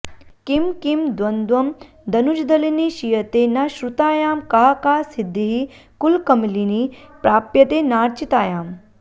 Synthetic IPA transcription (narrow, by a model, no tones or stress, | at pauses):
kimkimd̪wɐnd̪wɐm | d̪ɐnud͡ʒd̪ɐliniʃijɐt̪eːnɐʃɾut̪aːjaːmkaɦɐkaːsid̪ʱːiɦi | kulkɐmilinipɾaːpjɐt̪eːnaːɾt͡ʃit̪aːjaːm